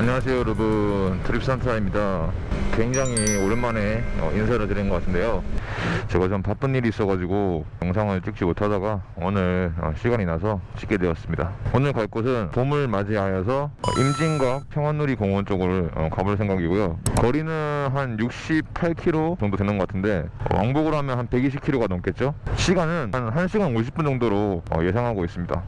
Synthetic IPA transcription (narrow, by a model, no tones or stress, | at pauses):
aɲʌŋas̬ʰe̞joɾɯbɯtʰɯɾip̚s͈antʰaimɲidakweŋd͡ʑaŋioɾɯnmane̞ʌ̰insʰaɾɯtɯɾinɡʌk͈atʰɯnde̞jo | t͡ɕe̞ɡat͡ɕompap͈ɯnːiɾiːs͈ʌɡad͡ʑiɡojʌŋsʰaŋɯɭt͡ɕ͈ɯk̚t͡ɕ͈imotʰadaɡaonɯɭʌ̰ɕʰiɡaɲinasʰʌt͡ɕi̥k͈edweʌs͈ɯmɲidaonɯɭkaɭk͈osʰɯnpomɯɭmad͡ʑiajʌs̬ʰʌʌ̰ʔimd͡ʑiŋɡwapʰjʌŋɦwanːuɾikʌŋwʌnt͡ɕ͈ʌɡɯɾoɭʌ̰kabuɭsʰeŋɡaɡiɡojokʌɾinɯɦanjuk̚ɕ͈ippʰaɭkʰiɾot͡ɕʌŋdodwe̞nɯnɡʌk͈atʰɯnde̞̰wʔa̰ŋboɡɯɾoɦamjʌnɦanpe̞ɡiɕ̬ʰip̚kʰiɾoɡanʌmk͈e̞t̚t͡ɕ͈oɕʰiɡanɯnnɦanɕ̬ʰiɡannoɕ̬ʰip͈̚und͡ʑʌŋdoɾoʌ̰je̞sʰaŋɦaɡois͈ɯmɲida̰